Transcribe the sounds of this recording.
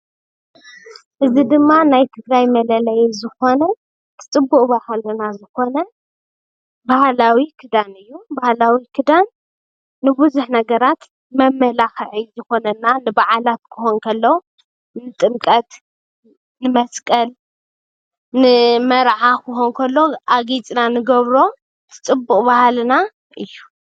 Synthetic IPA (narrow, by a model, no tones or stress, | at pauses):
ʔɨzid̪ɨmːanajt̪ʰɨɡɾajmɐlɐlɐjzɨxo̞nɐ | t̪ʰɨ̥t͡sʼɨbːuʔʼbahalɐnazɨko̞nɐ | bahlawikʰɨd̪anɨjːubahlawikʰɨd̪anː | ɨbuzuħnɐɡɐɾat̪ | mɐmːɐlaxʕizɨxo̞nɐnːanɨbaʕalat̪̚kʰɨxonkʰɐlːo | nɨt̪ʼɨmkʼɐt̪ | nɨmɐskʼɐl | nɨmɐɾʕakʰɨxonkʰɐlːo̞ʔaɡit͡sʼnanɨɡɐβɾo̞ | t̪ʰɨ̥t͡sʼɨbːukʼbahalna | ʔɨjːu